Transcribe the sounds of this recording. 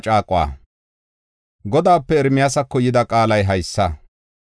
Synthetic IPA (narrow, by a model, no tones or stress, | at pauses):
t͡ʃʼaːkʼʊwa̰ː | ɡɔd̪aːpːɛɛɾmɪjasɐkːɔjɪd̪ɐkʼaːlɐjɦɐjsːɐ